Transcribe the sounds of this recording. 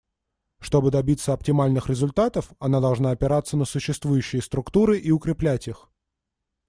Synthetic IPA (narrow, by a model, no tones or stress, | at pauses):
ʂt̪o̞bɨd̪ɐbʲit̪səɐp̚tʲɪmalʲnɨxɾʲɪzʊlʲt̪at̪əfɐnad̪ɐlˠʐnaɐpʲɪɾat̪sːənəsʊɕːɪst̪vujʉɕːɪjəst̪ɾʊkt̪uɾɨʔiʊkɾʲɪplʲætʲix